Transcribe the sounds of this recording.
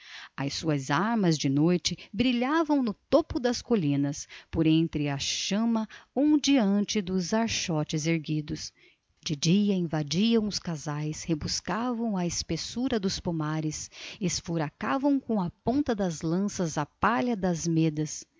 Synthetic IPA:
ɐsuɐzaɾmɐzd͡ʒɪnojt͡ʃɪbɾiʎavɐ̃w̃nʊt̪opʊd̪ɐskolĩnɐspoɾẽnt̪ɾɪɐʃɐ̃mɐũd͡ʒiɐ̃nt͡ʃɪd̪ʊzaɾʃɔt͡ʃɪzeɾɡid̪ʊs | d͡ʒɪd͡ʒiɐĩvad͡ʒiɐ̃w̃ʊskazajshebuskavɐ̃w̃ɐɪspesuɾɐd̪ʊspumaɾɪsesfuɾakavɐ̃w̃kõɐpõnt̪ɐd̪ɐzlɐ̃sɐzɐpaʎɐd̪ɐzmed̪ɐs

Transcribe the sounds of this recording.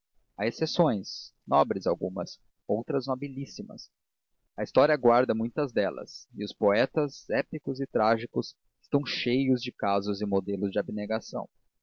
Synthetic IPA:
aesesõj̃snɔbɾɪzawɡṵ̃mɐ̰s | owt̪ɾɐznobilisimɐ̰s | ɐist̪ɔɾiɐaɡwaɾd̪ɐmũj̃t̪ɐzd̪ɛlɐ̰sɪʊspoɛt̪ɐzɛpikʊzɪt̪ɾaʒikʊs | ɪ̥st̪ɐ̃w̃ʃejʊzd͡ʒɪkazʊzɪ̃mod̪elʊzd͡ʒɪabineɡasɐ̰̃w̃

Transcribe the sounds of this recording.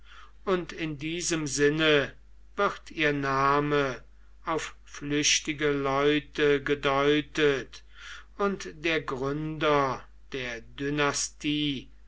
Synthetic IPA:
ʔʊntɪndiːzəmzɪnə | vɪχtiːɐnaːmə | aʊf | flʏɕtɪɡəlɔʏtəɡədɔʏtət | ʊntd̥eːɐɡʁʏndɐ | d̥eːɐdynastʰiː

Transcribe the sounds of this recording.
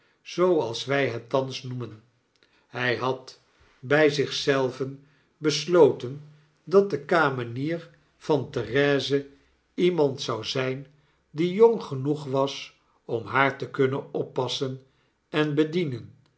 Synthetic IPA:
z̥owɑlˠsʋɛjɦɛtːɑnsnumən | hɛjɦɑt | bɛjzɪχsɛlˠvən | bəslowtən | dɑt̚dəkaːməniːɹ | v̥ɑntərɛːzə | imɑntsɑwzɛjn | dijoŋχənuχʋɑs | ɔmɦaːɹtəkɵnənɔpːɑsən | ɛnbədinən

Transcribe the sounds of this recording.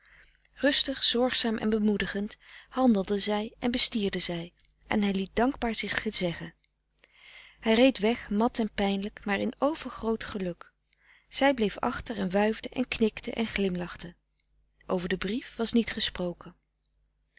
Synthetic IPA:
rɵstəχz̥ɔɹχsaːmʔɛ̰nbəmudəχənthɑndəlˠdəzɛjʔɛnbəstiːɹdəzɛj | ʔɛ̰nɦɛjlit̚dɑŋɡbaːɹzɪχəzɛχən | hɛjrejtʋɛχmɑtɛnpɛjnləkmaːɹɪnowv̥əɹχrowtχəlɵk | z̥ɛjblejfɑ̰χtəɹɛnʋœɥvdəʔɛ̰nknɪktəʔɛ̰nχlɪmlɑχtə | ʔowvəɹdəbrifʋɑsnitχəsprowkən

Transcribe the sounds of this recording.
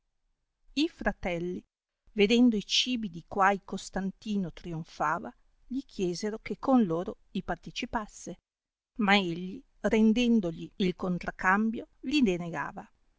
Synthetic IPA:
ifɾat̪ɛlːi | ved̪ɛnd̪oit͡ʃiːbid̪ikwajkost̪ant̪iːnot̪ɾioɱfaːva | ʎikʰjɛːzeɾokekʰːonloːɾoʎipart̪et͡ʃipasːe | maeʎːi | rend̪ɛnd̪oʎiilkont̪ɾakːambjolid̪eneɡa̰ːva

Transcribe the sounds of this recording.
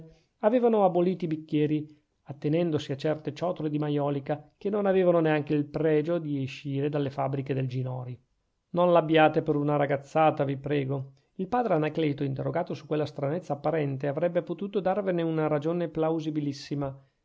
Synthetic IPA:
aveːvanoaboliːt̪ibikːjɛːɾi | at̪ːenɛnd̪osiat͡ʃɛrt̪et͡ʃɔːt̪oled̪imajɔːlikak̟enonaveːvanoneaŋk̟eilpɾɛːd͡ʒod̪ieʃːiːɾed̪alːefabːɾiked̪eld͡ʒinɔːɾi | nonlabjaːt̪epeɾunaɾaɡat̪sːaːt̪avipɾɛːɡo | ilpaːd̪ɾeanakleːt̪oint̪erːoɡaːt̪osukːwelːast̪ɾanet̪sːaːpːaɾɛnt̪eavɾɛbːepot̪uːt̪od̪arveneunaɾad͡ʒoːneplawzibilisːima

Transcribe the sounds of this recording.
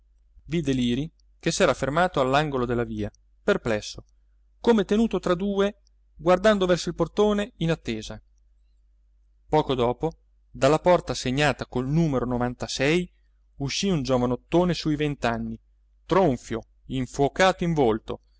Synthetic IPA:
vid̪eliːɾi | kesɛːɾafermaːt̪oalːaŋɡolod̪elːaviːa | perplɛsːo | komet̪enuːt̪ot̪ɾad̪uːe | ɡward̪and̪ovɛrsoilport̪oːneinat̪ːeːza | pɔːkod̪ɔːpo | d̪alːapɔrt̪aseɲːaːt̪akolnuːmeɾonovant̪asɛj | uʃːiund͡ʒovanot̪ːoːnesuivent̪anːi | t̪ɾoɱfjo | iɱfwokaːt̪oiɱvolt̪o̰

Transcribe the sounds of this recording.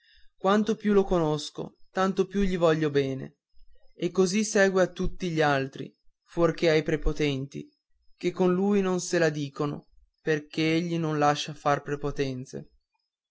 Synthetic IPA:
kwant̪opjulokonosko̰t̪ant̪opjuʎivɔʎːobɛːnḛ | ekːozisɛːɡweat̪ːut̪ːiʎialt̪ɾḭ | forkeajpɾepot̪ɛnt̪ḭ | kekːonluːjnonselad̪iːkono̰ | perkeeʎːinonlaʃːafarpɾepot̪ɛnt̪sḛ

